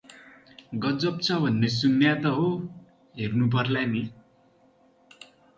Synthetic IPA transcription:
ɡʌd͡zʌp̚t͡sʰʌbʱʌnːes̬unːjat̪ʌɦo | ɦernup̬ʌrlani

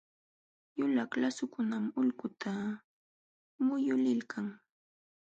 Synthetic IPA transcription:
jʊlaklasʊkʊnamʊlkʊt̪ʰa | mʊjʊlɪlkʰaŋ

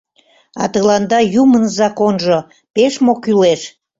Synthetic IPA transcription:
ɑ̰t̪əlɑnd̪ɑjumənzɑkonʒo | peʃmokyleʃ

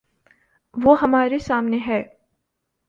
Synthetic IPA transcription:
ʋoːɦɐmaːɾesaːmneɦɛː

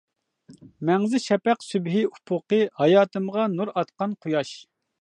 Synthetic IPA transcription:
mɛŋzɪʃɛpɛqsybɦɪupʰʊqəhɑjɑːt̪ʰɨmʁɑnuɾɑt̪qɑnqʰʊjɑʃ

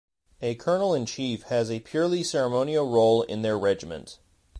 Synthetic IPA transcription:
ɨkʰɜ˞nl̩ˠɨ̃nt͡ʃʰifhɨzɨpʰj̥ʊɹlˠisɛɹəmõʊ̃nil̩ˠɹoʊlˠɪ̰̃nðə˞ɹɛd͡ʒɨmɨ̰̃nt

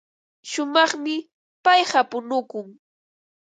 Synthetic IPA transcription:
ʃʊmɑχmɪ | pɑjhapʊnʊkʊŋ

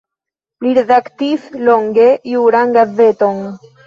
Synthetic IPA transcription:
liɾed̪akt̪isloŋɡejuɾaŋɡazet̪o̞ŋ

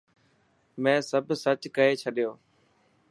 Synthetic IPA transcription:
mɛ̃ːsəbʱsət͡ɕkəɦet͡ʃʰəɗijoː

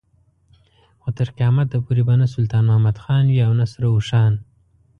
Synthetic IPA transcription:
wat̪əɾqjɑːmat̪̚d̪apuɾibanasʊlt̪ɑːnmahamad̪xɑːnwiawnasɾauʃɑːn

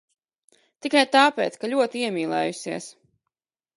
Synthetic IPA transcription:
t̪ikajt̪aːpeːt̪skalʲuɔt̪iiɛmʲiːlˠɛ̰ːjusiəs

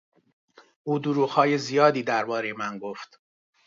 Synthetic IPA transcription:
ʔuːd̪uɾuːɣhɒːje̞zijɒːd̪iːd̪æɾbɒːɾe̞jemænɡoft̪

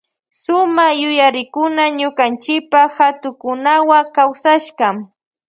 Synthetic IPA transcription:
sʊmaχjʊjaɾɪkʊnaɲʊkant͡ʃɪk̚pahat̪ʊkʊnawakawsaʃɢɑm

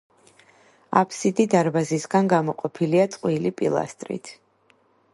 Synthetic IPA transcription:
a̰pʰsid̪id̪aɾbazisɡanɡamɔqʼɔpʰiliat̪sʼqʼwilipʼḭlˠa̰st̪ʼɾḭt̪ʰ

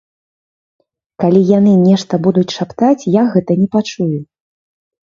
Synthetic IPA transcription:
kalʲijanɨnʲɛʂt̪ɐbud̪ut͡sʲʂapt̪at͡sʲjaɣɛt̪ɐnʲɛpat͡ʂuju

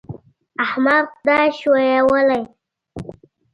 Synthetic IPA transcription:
ahmaɾqd̪aʃwojawəlaj

